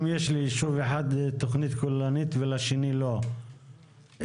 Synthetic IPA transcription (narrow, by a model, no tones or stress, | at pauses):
mjeʃliʃuveħad̪t̪oχnit̪kolːanit̪velaʃenilo̞